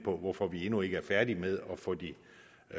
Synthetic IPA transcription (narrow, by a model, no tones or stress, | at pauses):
pʰɒ̽ʋɒfɒ̽ʋie̝nue̝ɡəæɐfæɐd̥imeð̞ˠɒ̽fɒd̥i